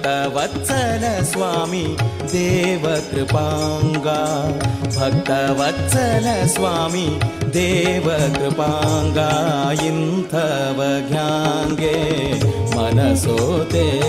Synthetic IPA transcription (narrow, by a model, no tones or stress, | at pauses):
t̪ɐʋɐt̪t͡ʃɐlɐsʋaːmi | d̪eːʋɐkɾɪpaːŋɡaːbʱɐk̚t̪ɐʋɐt̪t͡ʃɐlɐsʋaːmid̪eːʋɐkɾɪpaːŋɡaːjint̪ʰɐʋɐɡjaːŋɡe | mɐnɐsoːt̪e